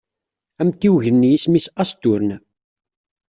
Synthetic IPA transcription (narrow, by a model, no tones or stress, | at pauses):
æmt̪ːiwʝənːjismisæst̪ʊɾən